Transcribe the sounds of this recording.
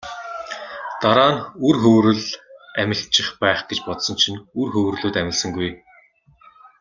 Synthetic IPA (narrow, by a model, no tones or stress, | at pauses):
t̪aɾaːnurxɵwɾɘ̆ɮæmʲɪ̆ɬt͡ɕɪ̆χpæːχɡet͡ɕpɔt̪sɞ̆nt͡ɕʰinurxɵwrɮuːt̪æmʲɪ̆ɮsə̆ŋɡuj